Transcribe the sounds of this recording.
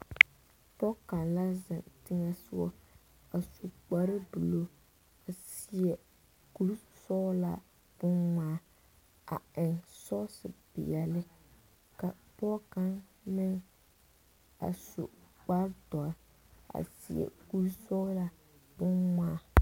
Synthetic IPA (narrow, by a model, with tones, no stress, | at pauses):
pɔ˦ka˨nla˦zɪ˨ntɪ˦ŋa˦sʊ˦ɔ˦ | a˨su˨k͡pa˨ɾɨ˦bu˨lo˦ | a˨si˨jɛ˨ | ku˦ɾsɔ˦la˨ | b̥ʊ˦nmaː˦ | a̰˨ɪ˨ŋsɔ˦sɨ˨bɪ̰˨jɛ˨lɪ˦ | ka˨pɔ˦ka˦nmɪ˦ŋ | a̰˨sṵ˨ | k͡pa˦ɾtɔ˨a˨ | a̰˨sḭ˨jɛ̰˨ku˦ɾsɔ˦la˦ | bʊ˦nmaː˦˨a˦